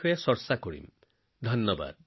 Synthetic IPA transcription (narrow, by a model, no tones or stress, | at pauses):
ɔjasɔɾsakɔɽḭm | d̪ʱɔnːɔba̰d̪̚